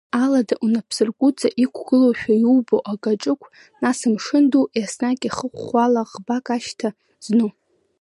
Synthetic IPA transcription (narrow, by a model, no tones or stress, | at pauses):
aladaʔunapʰsɨrɡʷʼʊt͡sʼaʔikʷʰɡɨloʃᶣajwboʔakʼaʈ͡ʂʼɨkʷʰ | nasɨmʂɨnduʔjasnakʲʼiχəχʷχʷalaʁbakʼaʃtʰa | z̥nu